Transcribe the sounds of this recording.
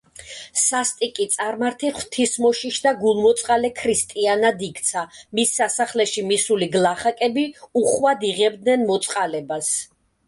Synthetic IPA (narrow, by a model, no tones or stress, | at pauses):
sast̪ʼikʼit̪sʼaɾmaɾt̪ʰiχwt̪ʰismɔʃiʃd̪aɡulˠmɔt̪sʼqʼalɛkʰɾist̪ʼianad̪ikʰt̪sʰamisːasaχlɛʃimisuliɡlˠaχakʼɛbiuχwad̪iʁɛb̚d̪nɛnmɔt̪sʼqʼalɛbas